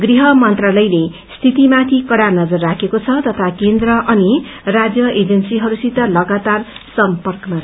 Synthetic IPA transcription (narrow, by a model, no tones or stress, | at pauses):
ɡriɦʌmʌnt̪ralʌjle | st̪ʰit̪imat̪ʰikʌɽanʌd͡zʌrːakʰekot͡sʰʌt̪ʌt̪ʰakend̪rʌʔʌnirad͡zjʌʔed͡zʌnsiɦʌɾusit̪ːalʌɡat̪arsʌmpʌrkʌma